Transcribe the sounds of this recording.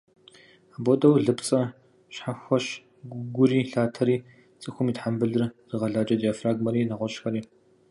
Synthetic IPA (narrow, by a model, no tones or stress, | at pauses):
aboɔtʼɐwɮɨpt͡sʼɐ | ɕħaxʷɐɕ | ɡʷʊɡʷʊriːɬaːtʰɐɾiː | t͡sʼɨxʷʊmiːtħambɨɮɨrz̥ɨʁɐɮaːd͡ʒʼɐdjaːfraːɡmɐɾiːnaʁʷɔɕxɐɾiː